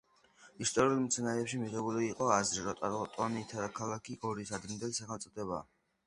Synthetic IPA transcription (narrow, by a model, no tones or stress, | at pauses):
ist̪ʼɔɾiulˠmt̪sʰanaɾɛːpʃimiʁɛbuliːqʼɔazɾiɾɔt̪ʼa̰ɾʁɔt̪ʼɔniːt̪ʰad̪akʰalˠakʰiʔɔɾit̪ʰad̪ɾɛnd̪ɛlisaχɛlt̪sʼɔt̪ʰɛba̰